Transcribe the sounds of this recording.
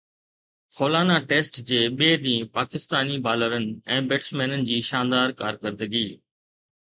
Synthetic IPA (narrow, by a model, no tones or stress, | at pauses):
xoːlaːnaʈeːsʈd͡ʑeːɓeːɗĩːpaːkɪst̪aːnibaːləɾənɪ̆ɛ̃ːbeːʈsmɛːnənɪ̆d͡ʑiːʃãːnd̪aːɾkaːɾkəɾd̪əɡiː